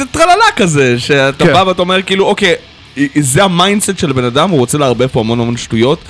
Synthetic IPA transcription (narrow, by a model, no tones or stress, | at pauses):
zet̪ʁalalakazeʃeatabaveataome̞ʁkiiːluʔo̞ke | izeamajndsetʃe̞lbe̞nadamuʁo̞t͡seleaʁbefpoamo̞namo̞nʃtujo̞t